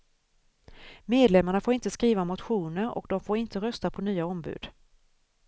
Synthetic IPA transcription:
meːd̪lɛmːaɳafoːɾɪnt̪əskɾiːvamʊt̪ɧuːnəɾɔ̰kd̪ɔmfoːɾɪnt̪əɾœst̪apʰɔnyːaɔmbʉ̰ːd̪̥

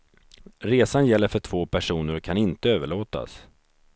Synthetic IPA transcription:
ɾeːsanjɛlːəɾfœʈʰvoːpʰæʂuːnəɾɔkʰanɪnt̪əøːvəɭoːt̪a̰s

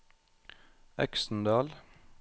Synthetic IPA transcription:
ɛ̰ksn̩d̪ɑːl

